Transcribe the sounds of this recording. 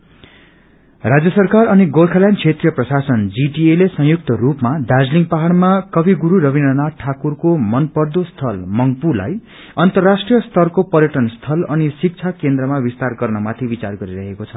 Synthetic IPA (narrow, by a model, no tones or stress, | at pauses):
rad͡zjʌsʌrkarʌniɡorkʰaljankʰet̪rijʌprʌsasʌnd͡ziʈielesʌ̃ɦjuk̚t̪ʌrupmad̪ad͡zliŋpaɦaɽmakʌbiɡuɾuɾʌbinɖʌnaʈʰakurkomʌnpʌrd̪ost̪ʰʌlmʌŋpula̰j | ʌnt̪ʌrːasʈrijʌst̪ʰʌrkopʌrjʌʈʌnst̪ʰʌlʌnisik̚t͡sʰakend̪rʌmabist̪arɡʌrnʌmat̪ʰibit͡sarɡʌɾiɾʌɦekot͡sʰʌ